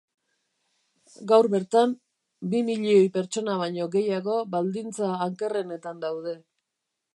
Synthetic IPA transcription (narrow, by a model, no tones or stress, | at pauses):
ɡawɾβe̞ɾt̪am | bimiʎio̞jpe̞ɾt͡ʃo̞naβajɲo̞ɣe̞jaɣo̞βald̪int͡saːŋke̞re̞ne̞t̪and̪awðe̞